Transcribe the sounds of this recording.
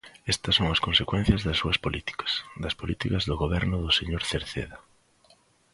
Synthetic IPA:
est̪ɐsːoŋɐskonsekwẽn̟θjɐzðɐsːuɐspolit̪i̥kɐ̥sd̪ɐspolit̪ikɐzðʊɣoβɛɾnʊðʊseɲoɾθeɾθḛðɐ

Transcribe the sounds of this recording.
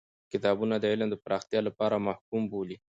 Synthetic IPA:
kɪt̪ɑbunad̪əɪland̪əpɾɑxt̪jɑlapɑɾamahkumboli

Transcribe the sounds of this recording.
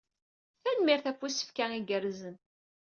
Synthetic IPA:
θænmiɾθæfːusə̥fkæiɡəɾzən

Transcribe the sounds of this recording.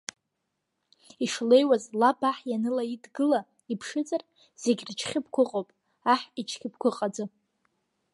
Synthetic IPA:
iʂle̞jwazlabaħjanɨlaidɡɨla | ipʰʂɨd͡zʼar | z̥e̞ɡʲrt͡ʃʰχʲɪp̚ʰkʷʰʊqʼowpʼ | aħit͡ʃʰkʲʰʼɪp̚kʷʊqʼad͡zɨ

